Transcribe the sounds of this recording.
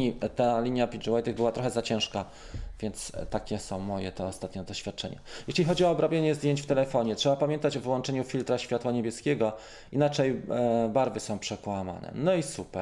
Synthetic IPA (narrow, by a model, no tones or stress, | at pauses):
it̪alʲiɲjapʲid͡ʐuwajt̪ɨɣbɘwat̪ɾɔxɛzat͡ɕɛ̃w̃ʂka | vʲjɛnt̪st̪akʲɛsɔ̃w̃mɔjɛt̪ɔːst̪at̪ɲɔd̪ɔɕfʲjat̪̚t͡ʂɛ̰ɲa̰jɛɕlʲixɔd͡ʑiɔːbɾɔbʲjeɲɛzd̪jeɲt͡ɕft̪ɛlɛfɔɲɛtʂɛbapamʲjɛnt̪at͡ɕɔvɘwɔnt͡ʂɛɲufʲilt̪ɾaɕfʲjat̪waɲebʲjɛskʲeɡɔ | inat͡ʂɛjbaɾvɘsɔ̃w̃pʂɛkwama̰nɛ̰nɔisupɛ